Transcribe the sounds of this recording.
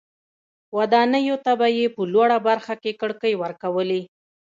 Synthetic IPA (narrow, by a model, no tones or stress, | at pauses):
wad̪ɑnəjot̪abajepəlwaɽabaɾxakekəɽkəjwəɾkawəli